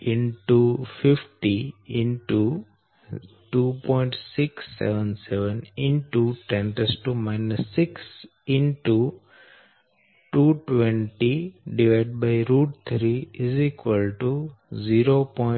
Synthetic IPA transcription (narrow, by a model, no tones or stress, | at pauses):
ɪ̃nʈufɪfʈiɪ̃ɳʈu | ʈuːpɔ̃ɪ̃ɳʈsɪksːɛ̰ʋə̃nsɛʋə̃nɪ̃ɳʈuʈɛ̃nʈəsʈumaɪnəsːɪks | ɪ̃nʈu | ʈuːʈʋẽɳʈiɖiʋaɪɖ̚baɪɾuːɖt̪ʰɾiɪzikʋəlʈuziɾopɔɪ